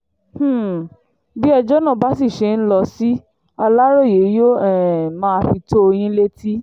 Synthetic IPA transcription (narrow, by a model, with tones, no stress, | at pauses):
h̩˦˨ | bi˦ɔ˧d͡ʒɔ˦nã˦˨ba˦si˦˨ʃe˧˦n̩˦lɔ˧si˦ | a˧la˦ɾo˦˨je˨˦jo˦ɛ˦˨mãː˦a˧fi˧to˦o˧j̃ĩ˦le˦ti˦